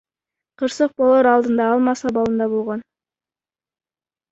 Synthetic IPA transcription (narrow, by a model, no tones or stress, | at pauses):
qʰɯɾsɯq̚bolˠoɾɑlˠd̪ɯnd̪ɑɑlˠmɑsɑbɑlˠɯnd̪ɑbolˠʁon